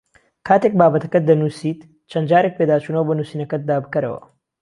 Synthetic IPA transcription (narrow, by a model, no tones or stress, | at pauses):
kʰaːt̪ek̚baːbɐt̪ɐ̥kɐd̪ɐnusiːt̪ | t͡ʃʰɐnd̪d͡ʒaːɾek̚peːd̪aːt͡ʃuːnɐwɐbɐnuːsiːnɐkɐt̪̚d̪aːbɨkɐɾɐ̰wɐ̰